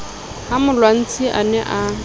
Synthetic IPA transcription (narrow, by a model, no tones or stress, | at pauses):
hamʊlwan̩t͡sʰʼiʔa̰nɛʔa